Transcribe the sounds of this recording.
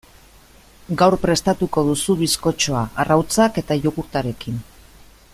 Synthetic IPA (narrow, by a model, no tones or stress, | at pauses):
ɡawrpɾe̞st̪at̪uko̞ð̞usuβisko̞t͡ʃo̞aʔarawt͡sake̞t̪ajokuɾt̪aɾe̞kin